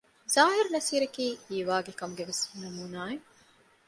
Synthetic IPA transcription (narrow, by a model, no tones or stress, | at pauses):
zaːɦiɾnɐsiːɾɐkiːiːʋaːɡekɐmuɡeʋesnɐmuːnaːe